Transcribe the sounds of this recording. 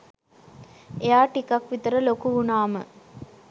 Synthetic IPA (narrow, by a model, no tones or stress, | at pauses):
ejaːʈikakʋit̪əɾəlokuunaːmə